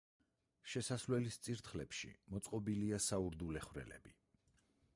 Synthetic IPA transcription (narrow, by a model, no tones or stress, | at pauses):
ʃɛsaslwɛlist̪sʼiɾt̪ʰχlɛpʃḭmɔt̪sʼqʼɔbiliasauɾd̪ulɛχvɾɛ̰lɛ̰bi